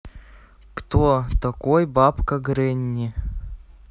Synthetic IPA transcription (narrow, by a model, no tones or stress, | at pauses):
kt̪ot̪ɐkojbapkɐɡɾenʲːi